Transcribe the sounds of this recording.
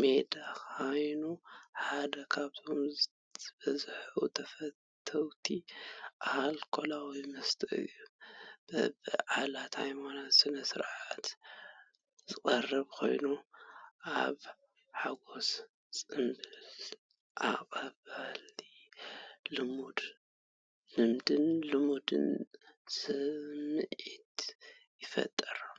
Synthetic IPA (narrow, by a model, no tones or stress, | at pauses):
me̞d̪axajnuħad̪ɐkʰaβt̪ʰo̞m | z̥ɨbɐzħut̪ʰɐfɐt̪ʰːɐwt̪ʰiʔahlkʰo̞lawimɨst̪ʰɨʔɨ̰jːub̥ɨbɨʕalat̪ha̰jmanasɨnɐsɨɾʕat̪ | zɨkʼɐrːɨβkʰo̞̰jnuʔa̰β | ħaɡo̞s | sʼɨmbɨl | ʔaqʼɐβali | lɨmud̪ | lɨmd̪ɨnlɨmud̪ɨ̰nsɨmɨʕit̪ | jɪfɐ̰t̪ʼːɐɾu